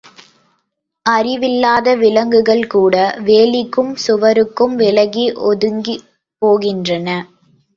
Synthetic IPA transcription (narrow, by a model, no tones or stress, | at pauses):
ʔɐrɪʋɪlːaːðɐʋɪlɐŋɡɯɣɐɭkuːɽɐʋeːlɪkːɯmsʊʋɐɾɯkːɯmʋɪlɐɣiʔɔðɯŋɡi | poːɣɪndrɐnɐ